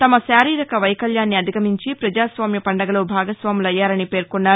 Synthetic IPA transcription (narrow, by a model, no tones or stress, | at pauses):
t̪ɐmɐʃaːɾiːɾɐkɐʋɐjkɐljaːnːiɐd̪ʱiɡɐmiɲt͡ʃipɾɐd͡ʒaːsʋaːmjɐpɐɳɖɐɡɐloːbʱaːɡɐsʋaːmulɐjːaːɾɐnipe̞ːɾkonːaːɾu